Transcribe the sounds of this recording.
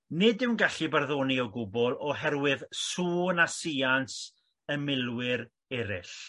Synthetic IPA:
nɪdɪwnɡaɬibarðoːniɔɡʊbɔlˠɔɦɛrwɪðsuːnasians | əmɪlˠwɪɾ | ɛɾɪɬ

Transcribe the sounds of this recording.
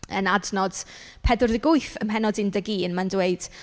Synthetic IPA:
ənadnɔd̥ | pʰɛdʊrðəɡʊɨfəmɦɛnɔdɪndəɡiənmandweɨd̥

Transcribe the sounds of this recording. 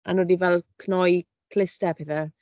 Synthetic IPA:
anədivɛlˠkʰnɔj | kʰlɪstɛpʰeðɛ

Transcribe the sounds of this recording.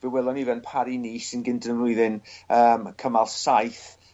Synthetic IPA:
vɪwɛlˠɔnivɛnpʰaɾiniːsɪnɡɪndənəmlʊɨðɪnəːmkʰəmalˠsajθ

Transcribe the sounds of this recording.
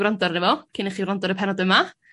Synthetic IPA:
wrɔndɔrnɛvɔkʰɪnɛχiːwɾrɔndɔɾəpʰɛnɔdəma

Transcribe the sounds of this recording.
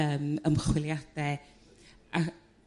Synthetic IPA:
əːməmχwɪlˠjad̥ɛ | a

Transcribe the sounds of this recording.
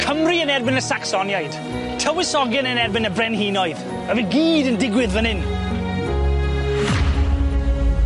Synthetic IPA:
kʰəmriənɛrbɪnəsaksɔnjajd̥ | tʰəwɪsɔɡɛnənɛrbɪnəbrɛnhiːnɔɨð | əvinɡiːdəndɪɡwɪðvənɪn

